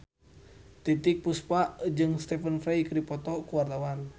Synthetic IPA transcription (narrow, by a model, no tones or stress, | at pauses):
t̪it̪ik̚puspaʔd͡ʒɨŋst̪ɛfənfɾɛjkɾipɔt̪ɔkuwart̪awan